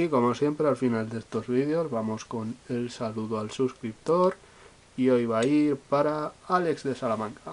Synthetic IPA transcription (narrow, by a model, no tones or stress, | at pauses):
iko̞mo̞sje̞mpɾealfinald̪e̞st̪o̞zβ̞ið̞eozβamo̞sko̞ne̞lsaluðoalsuskɾip̚t̪o̞ɾ | io̞jβ̞aiɾpaɾaale̞kzðe̞salamãŋka